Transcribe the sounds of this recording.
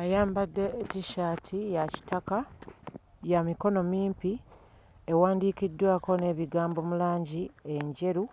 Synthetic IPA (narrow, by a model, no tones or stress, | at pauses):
ajaːmbadːe̞ːtiʃaːtʰijaci̥taka | jamiko̞no̞miːmpi | e̞waːndiːkidːwaːko̞ne̞ːβiɡaːmbo̞mulaːɲɟieɲɟe̞ɾu